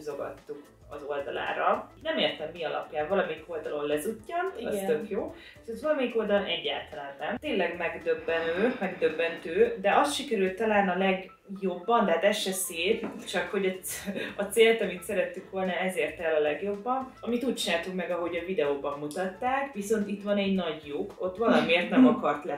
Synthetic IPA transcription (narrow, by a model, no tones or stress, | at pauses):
zo̞ɡɒ̰t̪ːuk | ɒzo̞ld̪ɒla̰ːɾɒnɛmeːrt̪ɛmːiɒlɒ̰pjaːɱvɒlɒmɛjiko̞ld̪ɒlo̞nlɛzucːɒnɒsø̞kjoː | ʃɛzvɒlɒmɛjiko̞ld̪ɒlo̞nɛɟːa̰ːlt̪ɒlaːnːɛmt̪eːnlɛɡmɛɡd̪øbːɛnøːmɛɡd̪ø̞bːɛnt̪øːd̪ɛʔɒst̪ʃikɛɾylt̪ːɒlaːnɒlɛɡ | jo̞bːɒnt̪ɛɦːt̪ɛʃːɛseːtt͡ʃɒkho̞ɟɒɒt̪seːlt̪ɒmit̪sɛɾɛt̪ːyŋkʋo̞lnɒɛzeːrt̪ɛlɒlɛɡjo̞bːɒnɒmit̪uːc̚t͡ʃinaːt̪uŋkmɛɡɒɦo̞ɟɒvid̪ɛoːbɒmːut̪ɒt̪ːaːkʋiso̞nt̪it̪ʋɒnɛɟnɒɟjuko̞t̪ːʋɒlɒmeːrt̪nɛmɒkɒrt̪lɛ